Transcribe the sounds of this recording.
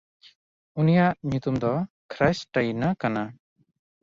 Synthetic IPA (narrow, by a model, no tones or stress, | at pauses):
unijaʔɲut̪umd̪ɔ | kʰɾajsʈajnakana